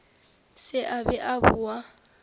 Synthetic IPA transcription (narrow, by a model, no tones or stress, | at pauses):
sɪʔabɛʔabua